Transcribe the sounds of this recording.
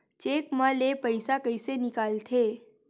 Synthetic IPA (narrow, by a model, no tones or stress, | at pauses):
t͡ʃeːkmãlepəɪsakəisenɪkaːlt̪ʰeː